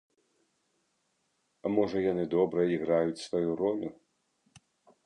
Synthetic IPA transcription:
amɔʐɐjanɨd̪ɔbɾɐiɣɾajut͡sʲsvajuɾɔlʲu

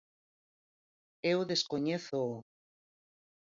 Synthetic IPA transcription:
ewðeskoɲeθo

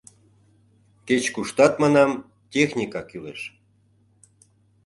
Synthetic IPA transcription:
ket͡ɕkuʃt̪ɑt̪mɑnɑm | tʲexnʲikɑkyleʃ

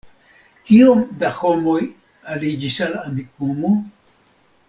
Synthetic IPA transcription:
kiomd̪axomoj | alid͡ʒisalamik̚umu

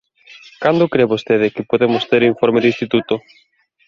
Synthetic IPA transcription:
kand̪ʊkɾeβost̪eð̞ɪkɪpoðemʊst̪eɾĩɱfɔɾmeðinst̪it̪ut̪ʊ

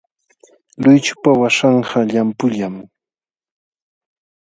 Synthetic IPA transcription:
lʊjt͡ʃʊ̥pawaʂɑɴɢɑʎampʊʎam

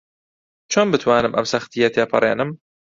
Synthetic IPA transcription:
t͡ʃʰoːnbɨt̪ʰwaːnɨmʔɐ̰msɐxt̪ijɛt̪ʰeːpʰɨ̰rˤḛːnɨm

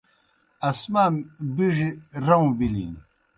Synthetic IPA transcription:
ɐsmaːnbiʐiɾɐũbilḭn

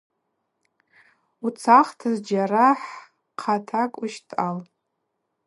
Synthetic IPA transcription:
ut͡sʰaχtʰazd͡ʒaɾaħ | qʰatʰakʼʊʃtʰʼal

